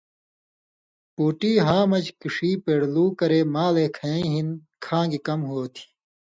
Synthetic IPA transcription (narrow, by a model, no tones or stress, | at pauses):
puːʈiːɦãːmɐd͡ʑkiʂiːpeːɽluːkɐɾeːmaːleːkʰɐjĩɦinkʰãːɡikɐmɦoːt̪ʰi̥